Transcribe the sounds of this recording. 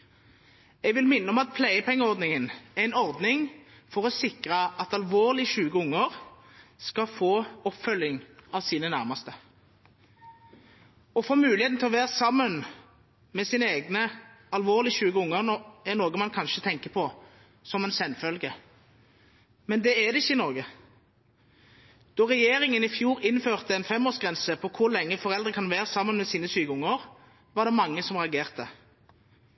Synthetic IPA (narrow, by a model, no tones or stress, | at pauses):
ɛɡʋɪlmɪnːəɔmɑt̪̚pʰlæɪəpʰɛŋːəɔʁd̪nɪŋənæɛɪnɔʁd̪nɪŋ | fɔʁɔsɪkʁɑɑt̪ɑlʋoːʁlɪʃʉːɡəʊŋːəʁ | skɑfoːɔpfœlːɪŋɑʋsiːnənæʁmɑst̪ə | ɔfoːmʉːlɪheːt̪n̩t̪ʰɛlɔʋeːʁsɑmːən | mɛsiːnəeːɡnə | ɑlʋoːʁlɪʃʉːɡəʊŋːəʁnɔɛnoːɡəmɑnkʰɑnʃət̪ʰɛŋkəpʰɔ | sɔmɛnsɛnfœlɡə | mɛnd̪ɛɛd̪ɛɪçːəɪnɔʁɡə | d̪̥ɔʁɛjeːɾɪŋənɪfjuːʁɪnføːʁt̪əɛnfɛmoːsɡʁɛnsəpʰɔkʰʊʁlɛŋːəfɔʁɛld̪ʁəkʰɑnʋeːʁsɑmːənmɛsiːnəʃyːɡəʊŋːəʁ | ʋɑd̪ɛmɑŋːəsɔmʁɛɑɡeːʁt̪ə